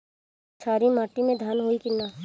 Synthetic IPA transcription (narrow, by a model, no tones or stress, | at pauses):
t͡ʃʰaːɾimaːʈimẽd̪ʱaːnɦoikɪnːa